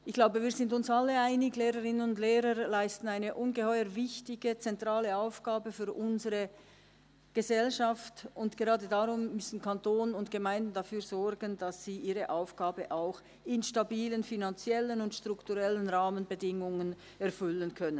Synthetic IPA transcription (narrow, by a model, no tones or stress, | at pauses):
ʔɪçɡ̥laʊbəviːɐzɪndʊnsalːəaɪnɪɡleːʁəʁɪnənʊndleːʁəɾlaɪstn̩aɪnəʔʊnɡəhɔʏəɾvɪçtɪɡət͡sɛntʁ̥aːləaʊfɡ̥aːbəfyːɾʔʊnzəʁə | ɡ̥əzɛlʃaftʊntɡ̥eʁɑːdədaʁʊmːʏsn̩kʰantoːnʊntɡ̥əmaɪndn̩dafyːɾzɔɾɡənd̥asz̥iːʔiːʁəʔaʊfɡ̥aːbəʔaʊx | ɪnʃtabiːlənfinant͡sjɛlənʊntʃtʁ̥ʊktuʁɛlənʁaːmənbədɪŋʊŋən | ɛɐfʏlənkʰœnən